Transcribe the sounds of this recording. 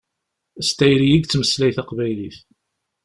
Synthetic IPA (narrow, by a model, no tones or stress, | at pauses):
əst̪æjɾijiɡt͡sːməslæjθæqvæjliθ